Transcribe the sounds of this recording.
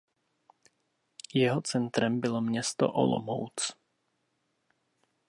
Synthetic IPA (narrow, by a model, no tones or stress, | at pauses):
jɛɦot͡sɛnt̪ɾɛmbɪlomɲɛst̪o̰ʔo̰lo̰mo̰wt͡s